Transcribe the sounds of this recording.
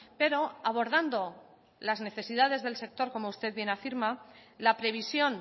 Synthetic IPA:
pe̞ɾo̞aβ̞o̞ɾð̞and̪o̞ | lazne̞θe̞siðað̞e̞zðe̞lse̞k̚t̪o̞ɾko̞mo̞ust̪e̞ðβje̞nafiɾmalapɾe̞β̞isjo̞n

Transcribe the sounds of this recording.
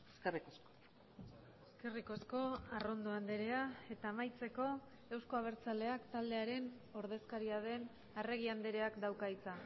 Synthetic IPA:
eskerikosko | eskeriko̞sko̞aro̞nd̪oand̪e̞ɾe̞ae̞t̪aːmajt͡se̞ko̞ | e̞wsko̞aβ̞e̞ɾt͡sale̞akt̪ald̪e̞aɾe̞n | o̞ɾðe̞skaɾiaðe̞n | are̞ɣ̞iand̪eɾe̞akd̪awkajt͡sa

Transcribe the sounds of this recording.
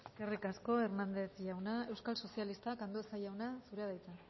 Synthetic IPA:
erikasko̞e̞ɾnand̪e̞θʝawnae̞wskalso̞sialist̪akand̪oesaʝawnasuɾeað̞ajt͡sa

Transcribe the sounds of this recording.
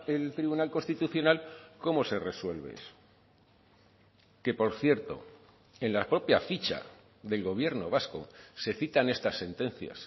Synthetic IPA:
elt̪ɾiβunalko̞nst̪it̪uθjo̞nalko̞mo̞se̞re̞swe̞lβḛ | ke̞po̞ɾθje̞ɾt̪o̞̰ | e̞nlapɾo̞pjafit͡ʃa̰ | ðe̞lɣo̞β̞je̞ɾno̞β̞asko̞̰se̞θit̪ane̞st̪asːe̞nt̪e̞nθja̰s

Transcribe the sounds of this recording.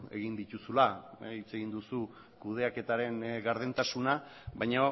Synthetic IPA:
e̞̰ɣ̞ind̪it̪usulait͡se̞ɣind̪usu | kuð̞e̞ake̞t̪aɾe̞ŋɣaɾðent̪asunaβajɲa

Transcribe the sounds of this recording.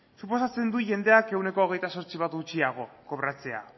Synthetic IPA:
supo̞sat͡se̞nd̪uʝe̞nd̪e̞ake̞wne̞ko̞ːɣe̞jt̪aso̞ɾt͡siβ̞at̪ɡut͡siaɣ̞o̞ko̞βɾat͡se̞a̰

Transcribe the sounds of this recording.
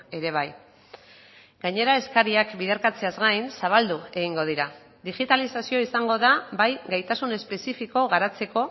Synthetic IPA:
e̞ɾe̞β̞aj | ɡ̥aɲe̞ɾae̞skaɾiakbiðeɾkat͡se̞azɡajnsaβ̞ald̪ue̞ɣiŋɡo̞ð̞iɾa | d̪iɣit̪alisasio̞isaŋɡo̞ðabajɡajt̪asune̞spe̞sifiko̞ɣaɾat͡se̞ko̞

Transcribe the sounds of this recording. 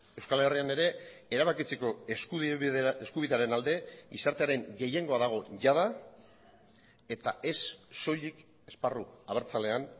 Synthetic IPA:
e̞wskalriane̞ɾe̞eɾaβakit͡se̞ko̞eskueskuβiðeaɾe̞nald̪e̞ɡisaɾt̪e̞aɾe̞ŋɡe̞je̞ŋɡo̞aðaɣ̞o̞ʝað̞a | e̞t̪aʔe̞sːo̞ʎik | e̞sparuaβe̞ɾt͡sale̞an

